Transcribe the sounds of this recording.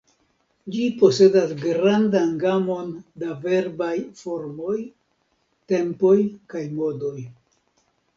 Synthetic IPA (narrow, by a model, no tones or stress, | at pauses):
d͡ʒipo̞se̞dasɡɾandanɡamo̞ndave̞ɾbajfo̞ɾmo̞j | te̞mpo̞jkajmo̞do̞j